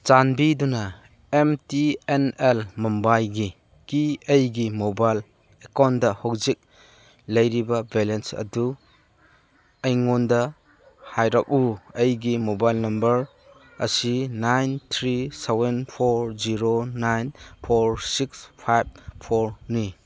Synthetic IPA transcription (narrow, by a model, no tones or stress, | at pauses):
t͡ʃanbidunɐ | emtienelmɔmbajɡi | kiejɡimobajl | ekawndɐhowzik̚ | lɐjɾibɐbelensɐ̰du | ɐjŋondɐ | hajɾak̚uɐjɡimobajlnɐmbɐɾ | ɐ̰sinajnt̪ʰɾisebenpʰoɾziɾonajnpʰoɾsikspʰajb̚pʰoɾni